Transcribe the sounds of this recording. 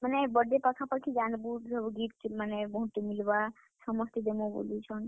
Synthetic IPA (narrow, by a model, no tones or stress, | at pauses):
mənebəɖepəkʰapəɾkʰid͡ʒanbuʈd͡ʒʱəɡiʈmənebʱũʈimilʋa | səməst̪ʰid̪emõbo̰lit͡ʃʰɔn